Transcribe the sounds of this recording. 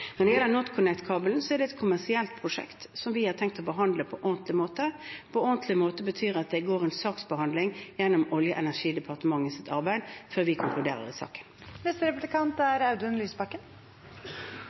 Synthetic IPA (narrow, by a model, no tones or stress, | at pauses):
nɔʁd̪ɪjɛlːəɾnɔt̪kʰʊnɛkt̪kʰɑːbəln̩sɔɛɖ̪ɛɛt̪kʰʊmæʁsɪɛlt̪̚pʰɾʊʂɛ̰kt̪sɔmʋɪhɑɾt̪ʰɛŋk̚t̪ɔːbəɦɑnd̪ləpʰɔʔɔɾnt̪lɪmoːt̪əpʰɔɔnt̪ʰlɪmoːt̪əbət̪ʰyːɾɑt̪̚d̪ɛɡoːʁɛnsɑːksbəhɑnd̪lɪŋjɛnːʊmɔljəʔɛnæʂiːd̪əpʰɑʁt̪əmɑŋːəsɪt̪ɑɾbæɪd̪əføːɾʋɪkʰʊŋklʉd̪ḛːʁə̰ɾɪsɑ̰ːkə̥nnɛst̪əɾɛpʊblɪkʰɑnt̪æɾɑʉd̪ʉnlyːsbɑkːən